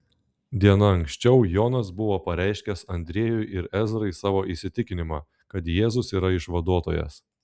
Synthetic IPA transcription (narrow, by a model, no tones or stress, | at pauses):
d̪ʲiɛnɐɐŋʲksʲt͡ʃʲɛʊjoːnɐs̬bʊʋoːpɐɾʲɛɪʃʲkʲɛsɐnʲd̪ʲɾʲiːjʊɪʔɪɾɛzɾɐɪsɑːʋoːʔisʲɪt̪ʲɪkʲɪnʲɪmɑː | kɐt̪jeːzʊsiːɾɐɪʃʋɐd̪uɔt̪oːjɛ̰s